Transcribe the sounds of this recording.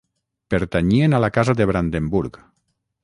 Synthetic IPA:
peɾt̪aɲienalakazaðeβɾand̪embuɾk

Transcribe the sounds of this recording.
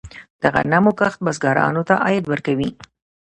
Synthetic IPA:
d̪̥aɣa̰namokaxt̪̚basɡɑɾɑ̰not̪aʔɑjɪd̪wəɾkawi

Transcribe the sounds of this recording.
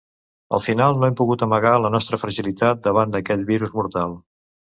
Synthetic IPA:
ə̰lˠfinalˠnoɛmpuɣut̪əməɣ̞alənɔst̪ɾəfɾəʒilit̪at̪̚d̪əβ̞and̪əkɛʎβiɾuzmuɾt̪alˠ

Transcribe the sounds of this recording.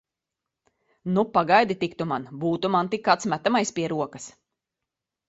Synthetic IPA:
nupaɡajd̪it̪ikt̪umanbuːt̪umant̪ikːaːt̪smʲæt̪amajspʲiɛɾuɔkɐs

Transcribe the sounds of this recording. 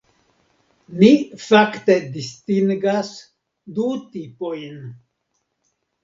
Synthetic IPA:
nifakt̪e̞d̪ist̪iŋɡas | d̪ut̪ipojn

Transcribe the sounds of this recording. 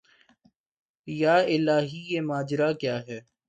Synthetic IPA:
jaːɪlaːɦijemaːd͡ʒɾakjaːɦɛː

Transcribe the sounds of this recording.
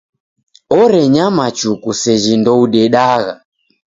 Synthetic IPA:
ɔɾɛɲamat͡ʃukusɛʒindɔuɗɛɗaɣa

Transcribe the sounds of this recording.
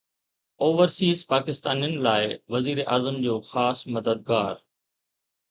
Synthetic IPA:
oːʋəɾsiːzpaːkɪst̪aːnijənɪ̆laːɪʋɐziːɾeʔaːzəmd͡ʑoːxaːsmɐd̪əd̪̚ɡaːɾ

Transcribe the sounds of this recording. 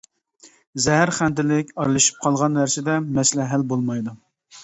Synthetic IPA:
zɛɦæɾχænd̪ɪlɪkʲɑɾlˠɨʃi̥p̚qʰɑlˠʁɑnwæɾsɪd̪ɛmɛslɛɦælbolˠmɑjd̪u

